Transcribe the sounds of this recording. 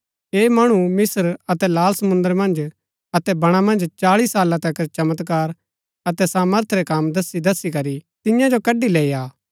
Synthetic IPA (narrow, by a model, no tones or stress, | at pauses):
eːmɐɽ̃umɪsəɾɐt̪ɛlaːlsɐmʊ̃nd̪əɾmɐ̃nd͡ʒ | ɐt̪ɛbɐɽ̃amɐ̃nd͡ʒt͡ʃaːɭisaːlãt̪ɛkɐt͡ʃɐmət̪kaːɾ | ɐt̪ɛsaːməɾt̪ʰɾɛkaːmd̪ɐsid̪ɐsːikɐɾit̪ɪjãd͡ʒokɐɖileːiaː